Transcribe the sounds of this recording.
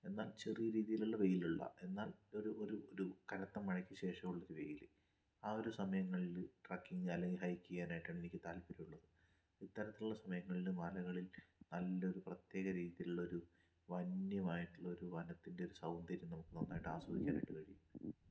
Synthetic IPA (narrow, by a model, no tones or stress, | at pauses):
e̞nːaːlt͡ɕerijɾiːðijiluɭːɐʋe̞jiluɭːɐ̰e̞nːaːlo̞ɾuo̞ɾuoɾukɐɾɐt̪ːɐmːɐɻɐkʲːɨɕe̞ːʂɐmuɭːɐɾuʋe̞jil | aːo̞ɾusɐmɐjɐŋːɐɭilʈraːkːiŋɐlːɐŋɡiɦɐjkʲːuɣjaːnaːjiʈːaːɳenikʲːɨt̪aːlpiɾɐjuɭːɐðɨ | it̪ːɐɾɐt̪ːiluɭːɐsɐmɐjɐŋːɐɭilumːɐlɐɣɐɭilnɐlːɐo̞ɾuprɐt̪je̞ːɣɐɾiːðijiluɭːɐo̞ɾu | ʋɐnːjɐmaːjiʈːuɭːɐoɾuʋɐnɐt̪ːinde̞o̞ɾusɐwnd̪ɐɾjimnɐmukːɨt̪ɐnːaːjiʈːɨa̰ːsʋɐd̪ikʲːaːna̰jiʈːɨkɐɻijumː